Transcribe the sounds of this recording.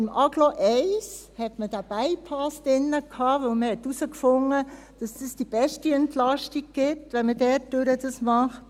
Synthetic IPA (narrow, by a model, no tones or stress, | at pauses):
ɪmʔɑɡloʔɛɪshɛtmədæb̥æɪpʰɑsd̥ɪnːəkʰɑːʋɵwməhɛtusəkfʊŋːə | d̥ɑsd̥əsd̥ib̥ɛʃtiɛntlɑʃtiɡ̚ɡ̥ɪtʋɛnmədɛtːøɾədɑsmɑχt